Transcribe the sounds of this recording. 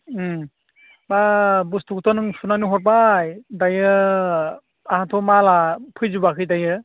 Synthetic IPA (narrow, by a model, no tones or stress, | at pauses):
babustʰuktʰɔnɯŋsunanuɦɔɾb̬ajdajɯ | ahatʰɔmalapʰɯjzubakʰɯjdajɯ